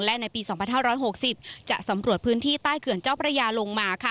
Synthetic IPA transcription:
lɛ˦˥na˧jpiː˧sɔː˩˦ŋpʰa˧nɦaː˥˩ɾɔː˦˥jɦo˨˩k̚si˨˩p̚t͡ɕa˨˩sa˩˦mɾu˨˩ət̪̚pʰɯː˦˥nt̪ʰiː˥˩t̪aː˥˩jkʰɯ˨˩ənt͡ɕaː˥˩wpʰɾa˧jaː˧lo˧ŋmaː˧kʰa˦˥˩

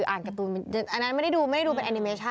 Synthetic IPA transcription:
ʔaː˨˩nka˧t̪uː˧a˧˩nʔa˧nːa˦˥nma˥˩jda˥˩jduː˧m˥˩jda˥˩duː˧pe˧ʔa˧ni˧meː˧˦t͡ɕʰa˥˩

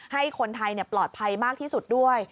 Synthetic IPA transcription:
ha˥˩jkʰo˧nt̪ʰa˧jni˥˩plɔː˨˩t̪̚pʰa˧jmaː˥˩k̚t̪ʰiː˥˩su˨˩t̪̚du˥˩əj

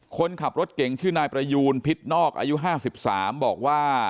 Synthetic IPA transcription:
kʰo˧nkʰa˨˩p̚ɾo˦˥t̪̚ke˩˦ŋt͡ɕʰɯː˥˩naː˧jpɾa˧juː˧npʰi˦˥t̪̚nɔː˥˩k̚ʔa̰ː˧ju˦˥ɦaː˥˩si˨˩p̚saː˩˦mbɔː˨˩k̚waː˥˩

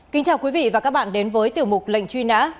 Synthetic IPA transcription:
kï˨˦ŋ̟t͡ɕaː˨˩wkwi˨˦vḭ˧˨vaː˨˩kaː˦˥k̚ɓa̰ː˧˨nɗe˨˦nvəː˨˦jt̪i˨˩əwmʊ˨˩k͡p̚lə̰˧˨ŋ̟t͡ɕwi˧na̰ː˧˥

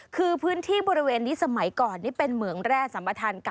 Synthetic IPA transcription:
kʰɯː˧pʰɯː˦˥nt̪ʰiː˥˩bɔː˧ɾi˧˦˥weː˧nːi˦˥sa˧ma˩˦jkɔː˨˩nːiː˦˥˩pe˧nmɯ˩˦əŋɾɛː˥˩sa˩˦mpɾa˧t̪ʰaː˧nka˨

